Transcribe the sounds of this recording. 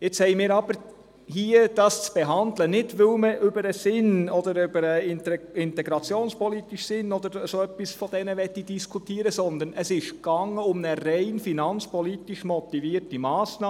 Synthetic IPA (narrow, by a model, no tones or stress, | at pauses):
jɛt͡shɛɪmiːɾɑb̥əɾ | hiəd̥ɑst͡sb̥ɛɦɑndlənɪtʋɪlməʔʏbəɾəsɪnɔd̪əɾʏbəɾəɪɪntɛɡɾɑt͡sjoːnspʰɔlitiʃsɪnːɔd̪əɾəsoœpːisfɔd̥ɛnəʋɛt̪ːid̥iskʰutiːəɾəsɔnd̪ənəsɪʃɡ̥ɑŋəʊmnəɾɛɪnfinɑnt͡spɔlit̪iʃmɔt̪iviːətimɑːsnɑː